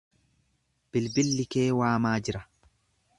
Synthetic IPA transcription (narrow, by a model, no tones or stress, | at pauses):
b̥ɪlbɪlːɪkeːwaːmaːd͡ʒɪɾɐ